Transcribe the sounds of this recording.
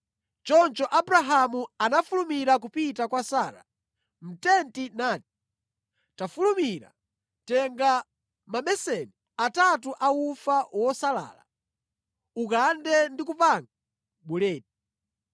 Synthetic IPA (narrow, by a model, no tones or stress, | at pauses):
t͡ʃɔnt͡ʃɔʔabuɾaɦamuanafulumiɾak̬upitakwasaːɾa̰ | m̩tɛntinaːti̥ | tafulumiɾa̰ | tɛŋɡa | mamɛsɛni | atat̬uʔaufawɔsala̰ːla̰ | ukandɛndikupaŋɡa | ɓulɛːt̚i